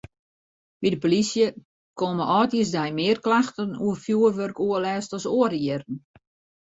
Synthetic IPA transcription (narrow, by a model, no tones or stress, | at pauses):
ʋidəpolisjə | koməʔɔːtiəsdɛjmɪːrklaxtənṵəfjuərʋørkuəlɛːstɔsoəriəɾn̩